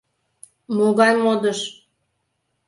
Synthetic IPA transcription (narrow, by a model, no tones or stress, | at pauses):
moɣɑnmod̪əʃ